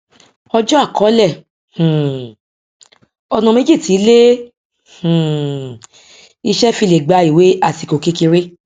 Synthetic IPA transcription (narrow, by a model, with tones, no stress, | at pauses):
ɔ˧d͡ʒɔ̃˦a˦˨kɔ˨˦lɛ˦˨ | h̩˨ | ɔ˧nã˧me˦d͡ʒi˦˨ti˨˦le˦ | h̩˨ | i˧ʃɛ˦fi˧le˨ɡ͡ba˨˧˦i˨we˨˦a˦˨ti˨ko˨ke˧˦ki˧ɾe˦